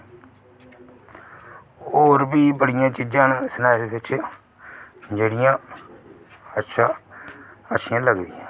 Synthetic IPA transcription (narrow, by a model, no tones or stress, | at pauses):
oːɾbiːbəɽɪjãːt͡ʃid͡ʒãːnsənaːɪd̪bɪt͡ʃ | d͡ʒeːɽɪjãː | ətːʃʰaː | ətːʃʰɪjãːləɡd̪ijãː